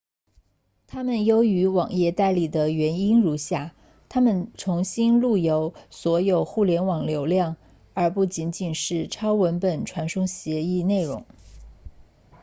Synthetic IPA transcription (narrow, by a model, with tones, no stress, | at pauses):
t̪ʰa˥mə˨njo˥ʊy˧˥wɑ˨˩ŋjɛ˥˧t̪a˥˧ɪli˨˥˩d̪ə˩ɥɛ˧˥ni˥nɻu˧˥ɕja˥˩ | t̪ʰa˥mə˨nʈ͡ʂʰʊ˧˥ŋɕi˥nlu˥˩jo˧˥ʊswɔ˧˥jo˨˩ʊxu˥˩ljɛ˧˥nwɑ˨˩ŋljo˧˥ʊljɑ˥˩ŋ | ə˞˧˥pu˥˩t͡ɕi˧˥nt͡ɕi˨˩nʂɻ̩˥˩ʈ͡ʂʰɑ˥ʊwə˧˥npə˨˩nʈ͡ʂʰwa˧˥nʂʊ˥ŋɕjɛ˧˥i˥˧ne˥˩ɪɻʊ̰˧˥ŋ